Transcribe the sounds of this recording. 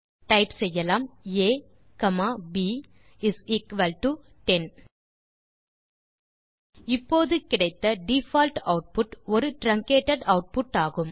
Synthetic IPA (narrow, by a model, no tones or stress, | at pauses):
ʈɐɪpsɛjːɐlaːmeː | kɐmaːbiː | ɪsiːkʋɐlʈu | ʈɛn | ɪpːoːðɯkɪɽɐɪt̪ːɐɖifaːlʈɐʊʈ̚pʊʈɔɾɯʈɾɐŋkeːʈːɐɽɐʊʈ̚pʊʈːaːɣɯm